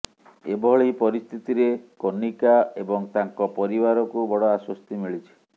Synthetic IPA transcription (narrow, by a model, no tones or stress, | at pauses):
ebɔɦɔɭejpɔɾist̪ʰit̪iɾekonikaebɔŋt̪aŋkɔpɔɾibaɾɔkubɔɽɔaswɔst̪imiɭit͡ʃʰi̥